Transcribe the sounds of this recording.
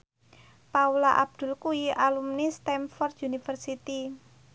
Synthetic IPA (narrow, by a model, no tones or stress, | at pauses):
paulaʔa̰b̚d̪̥ʊ̤lkuiʔalumnist̪ɛmfɔrd̪unifərsit̪i